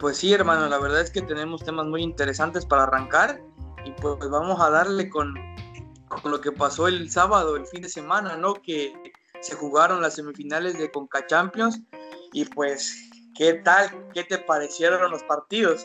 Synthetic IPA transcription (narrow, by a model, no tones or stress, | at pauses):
pwe̞sːie̞ɾmãnolaβeɾðaðeske̞t̪ene̞mo̞st̪e̞mazmujint̪e̞ɾe̞sant̪e̞spaɾaːraŋkaɾ | ipwezβamo̞saðaɾle̞ko̞n | konlo̞ke̞paso̞e̞lsaβað̞o̞elfind̪e̞se̞mãnano̞ke̞ | sexuɣaɾo̞nlasːe̞mifinale̞zðeko̞ŋkat͡ʃampjo̞nsipwe̞s | ke̞t̪alke̞t̪e̞paɾe̞sje̞ɾoonlo̞spaɾt̪iðo̞s